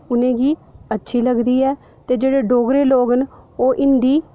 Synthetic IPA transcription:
ʊnẽːɡiːətːʃʰiːləɡd̪iːɛː | t̪eːd͡ʒeːɽeːɖoːɡɾeːloːɡnoːʔɪnd̪iː

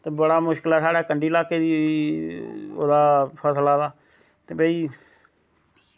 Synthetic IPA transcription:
t̪eːbəɽaːmʊʃkəlɛːsaːɽɛːkəɳɖiːlaːkeːd̪iːoiː | o̰ːd̪aːpʰəslaːd̪aː | t̪eːbəːiː

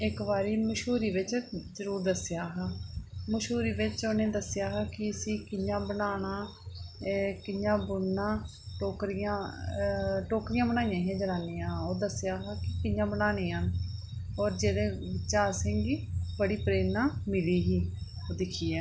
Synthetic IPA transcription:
ɪkbaːɾiːməʃɦuːɾiːʋɪt͡ʃzəɾuːɾd̪əsjaːɦaːməʃuːɾiːʋɪt͡ʃoːnẽːd̪əsːɪjaːɦaːkɪəsĩːkɪjãːbənaːɽ̃aː | kɪjãːbʊnãː | ʈoːkɾɪjãː | ʈoːkɾɪjãːbəñaːijãːɦẽːd͡ʒəɾaːneːãːoːd̪əsːɪjaːɦaːkɪkɪjãːbənaːnẽːɦən | ɔːɾd͡ʒeːdeːʋɪʃaːsɪŋɡibəɽiːpɾeːnaːmɪliːɦiː | oːd̪ɪkʰiːɛː

